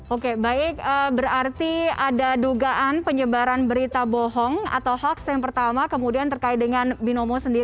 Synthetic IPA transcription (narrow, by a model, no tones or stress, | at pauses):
okebaɪk̚əbərart̪iadaduɡaʔanpəɲəbaɾanbəɾit̪abɔɦɔŋa̰t̪awɦaksjaŋpərt̪amakəmudiant̪ərkaɪt̪̚dəŋanbinomosəndiɾ